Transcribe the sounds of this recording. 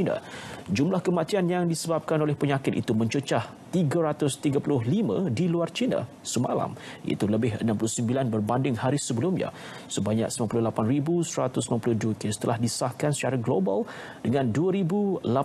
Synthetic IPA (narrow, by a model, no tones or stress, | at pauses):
ina̰d͡ʒumlahkəmat̪ianjaŋdisəbap̚kanolɛhpəɲakɪt̪̚ḭt̪umə̃ɲt͡ʃət͡ʃah | t̪iɡaɾat̪ʊst̪iɡapulʊɦlimã̰diluart͡ʃina̰ | səma̰la̰mʔa̰it̪uləbɪɦənãmpulʊhsəmbilanbərbandɪŋhaɾisəbəlumɲa̰ | səbaɲa̰k̚simampulʊhlapanribusəɾat̪ʊs̬limãmpulʊhduəkest̪əlahdisahkansə̥t͡ʃaɾaɡlobal | dəŋãnduəɾibula